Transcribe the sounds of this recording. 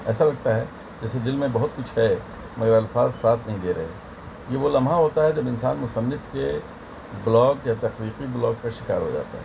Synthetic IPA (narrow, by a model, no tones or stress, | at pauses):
ɛːsalɐɡt̪aɦɛ | d͡ʒɛːsed̪ɪlmẽbɐɦʊt̪̚kʊt͡ʃʰɦɛ | mɐɡəɾɐlfaːzsaːt̪ʰnɐɦĩd̪eːɾɐɦe | jeʋolɐmʱɦaɦoːt̪aɦɛd͡ʒɐbɪnsaːnmʊsɐnːɪfke | blɔːɡjat̪ɐxliːqiblɔːɡ̚kaʃɪkaːɾɦo̰d͡ʒa̰ːt̪a̰ɦɛ